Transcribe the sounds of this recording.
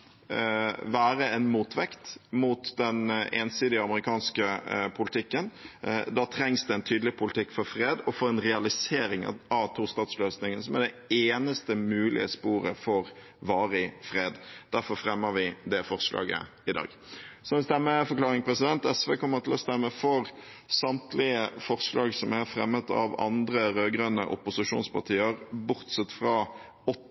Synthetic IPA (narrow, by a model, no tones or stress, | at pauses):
ʋæːɾəɛnmuːt̪ʰʋɛkt̪mut̪d̪ɛneːnsiːd̪ɪəɑməɾɪkʰɑːnskəpʰʊlɪt̪ʰɪkːənd̪ɑt̪ʰɾɛŋsd̪ɛɛnt̪ʰyːd̪əlɪpʰʊlɪt̪ʰɪkːfɔɾfɾeːd̪ɔfɔɾɛnɾɛɑlɪseːɾɪŋ̰ɑʋt̪ʰuːst̪ɑːt̪sløːsnɪŋənsɔmæd̪ɛ | eːnəst̪əmʉːlʔɪ̰əspuːɾə̰fɔɾ | ʋɑːɾɪfɾeːd̪d̪̥æɾfɔɾfɾɛmːəɾʋɪd̪ɛfɔʁslɑ̰ːɡə̰ | ɪd̪ɑ̰ːɡsɔʋɪst̪ɛmːəfɔɾklɑːɾɪŋpʰɾɛsɪd̪ɛnt̪ɛsʋeːkʰɔmːəɾt̪ʰɪlɔst̪ɛmːəfɔɾ | sɑmt̪ʰlɪəfɔʁslɑːɡsɔmæɾfɾɛ̰mːət̪ɑ̰ʋɑ̰nd̪ɾəɾøːɡɾønə̰ʔʊpʊsɪʂṵːnspʰɑʁt̪ʰiːəɾbʊɾt̪sɛt̪ːfɾɑ | ɔ